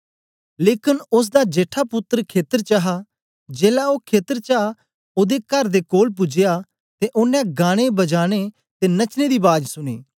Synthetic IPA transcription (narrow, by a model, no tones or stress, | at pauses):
leːkɪnʊs̬d̪aːd͡ʒeːʈʰaːpʊt̪ːɾkʰeːt̪əɾt͡ʃaɦaː | d͡ʒeːlaːoːkʰeːt̪əɾt͡ʃaː | oːd̪eːkəɾd̪eːkoːlp̬ʊd͡ʒɪjaː | t̪eʔʊnːɛ̃ːɡaːɽ̃eːbəd͡ʒaːɽ̃eː | t̪eːnət͡ʃneːd̪iːbaːd͡ʒsʊɽ̃ḛː